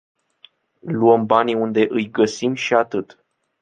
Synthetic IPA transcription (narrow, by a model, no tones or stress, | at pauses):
luəmbaniund̪e̞ʔɨjɡəsimʃiat̪ɨt̪